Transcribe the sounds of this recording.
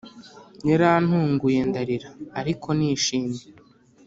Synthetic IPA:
ɲeɾan̥huːŋɡujendaɾiɾaːɾikʰo̞niːʃiːnde

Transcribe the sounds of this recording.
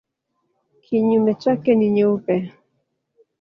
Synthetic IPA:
kʰiɲumet͡ʃakeniɲuwpe

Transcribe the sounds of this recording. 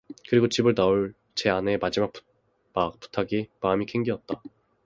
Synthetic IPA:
kɯɾiɡot͡ɕibɯɭnaoɭ | t͡ɕe̞ane̞mad͡ʑimak̚p | mak̚p͈u̥tʰaɡimaːmikʰe̞ŋɡiʌt̚t͈a

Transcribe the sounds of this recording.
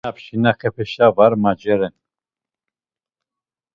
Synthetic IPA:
apʃinakʰəpʰɛʃavaɾmad͡ʒɛɾɛn

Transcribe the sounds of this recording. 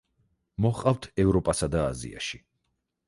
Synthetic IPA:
mɔχqʼavt̪ʰɛvɾɔpʼasad̪aːzḭa̰ʃi

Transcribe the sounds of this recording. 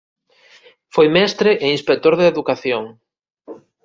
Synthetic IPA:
fojmɛst̪ɾeʔeinspek̚t̪oɾðeeːðukaθjoŋ

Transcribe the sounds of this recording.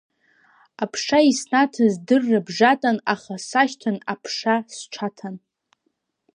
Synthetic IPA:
apʰʂaisnatʰɨzdɨrːɨbʐatʼanaχasaʃtʰanapʰʂasʈ͡ʂʷʰatʰan

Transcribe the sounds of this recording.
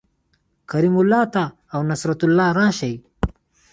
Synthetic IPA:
kɐɾimulːaːt̪aː | wnɐsɾɐt̪ulːaːɾaːʃɐj

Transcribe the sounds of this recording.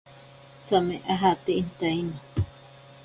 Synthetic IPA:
t͡sameʔaɦat̪eʔint̪aina

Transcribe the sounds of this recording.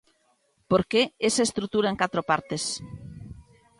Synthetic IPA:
poɾkeesaest̪ɾuk̚t̪uɾaeŋkat̪ɾopaɾt̪es

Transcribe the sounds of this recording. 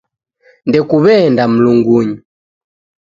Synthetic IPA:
ndɛkuβɛndam̩luŋɡuɲu

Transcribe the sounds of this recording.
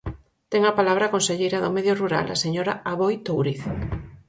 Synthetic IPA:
t̪eŋapalaβ̞ɾakonseʎejɾaðomeðjoruɾa̰la̰seɲoɾa̰aβojt̪owɾiθ

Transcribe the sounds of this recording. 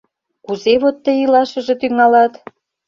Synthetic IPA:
kuzeβot̪ːəjilɑʃə̆ʒĕt̪yŋɑlɑt̪

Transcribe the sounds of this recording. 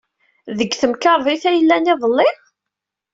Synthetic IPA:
ðəɡːθəmkɑɾˤðˤiθæjəlːæniðˤəlːɪ

